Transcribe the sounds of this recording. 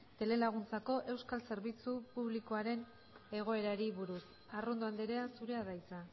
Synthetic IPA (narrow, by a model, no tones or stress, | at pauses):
t̪e̞le̞laɣ̞unt͡sako̞ʔe̞wskalse̞ɾβit͡supuβliko̞aɾe̞n | e̞ɣ̞o̞e̞ɾaɾiβuɾus | arond̪oand̪eɾe̞asuɾe̞að̞ajt͡sa